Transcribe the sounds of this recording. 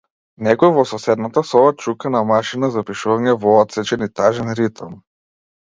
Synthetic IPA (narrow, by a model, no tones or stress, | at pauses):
nɛkɔjvɔsɔsɛd̪nat̪asɔvat͡ʃukanamaʃinazapiʃuvaɲɛvɔɔt̪sɛt͡ʃɛnit̪aʒɛnɾit̪ɔm